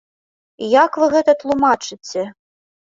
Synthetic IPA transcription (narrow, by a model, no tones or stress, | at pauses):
jakvɨɣɛt̪ɐt̪lˠumat͡ʂɨt͡sʲɛ